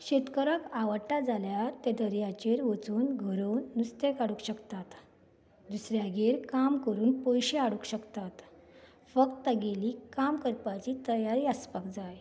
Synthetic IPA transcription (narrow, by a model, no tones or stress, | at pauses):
ɕet̪kəɾəkaʋəɽʈad͡zaljaɾt̪ɛd̪əɾjat͡ɕeɾʋət͡suːnɡʱəɾonːust̪ekaɽukɕəkt̪at̪ | d̪usɾjaɡeɾkamkəɾuːnpojɕeaɽukɕəkt̪at̪ | fək̚t̪ːəɡeliːkamkəɾpat͡ɕiːt̪əjaɾiəspakd͡zaj